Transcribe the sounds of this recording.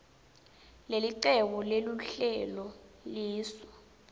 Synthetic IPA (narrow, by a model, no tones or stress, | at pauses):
leliǃɛkuleluɬɛlɔliːsɔ̥